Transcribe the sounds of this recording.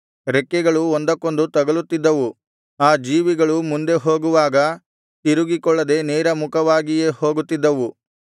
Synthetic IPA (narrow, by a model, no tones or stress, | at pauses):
ɾɛkːɛɡɐɭuond̪ɐkːo̞nd̪ut̪ɐɡɐɭut̪ːid̪ːɐʋu | aːd͡ʒiːʋiɡɐɭumund̪e̞ɦoːɡuʋaːɡɐ | t̪iɾuɡikɔɭːɐd̪e̞neːɾɐmukʰɐʋaːɡijeːho̞ːɡut̪ːid̪ːɐʋu